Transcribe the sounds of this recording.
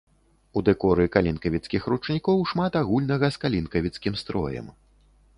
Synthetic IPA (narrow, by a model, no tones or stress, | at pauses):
ud̪ɛkɔɾɨkalʲinkɐvʲit̪skʲixɾut͡ʂnʲikɔwʂmat̪aɣulʲnɐɣɐskalʲinkɐvʲit̪skʲimst̪ɾɔ̰jɛ̰m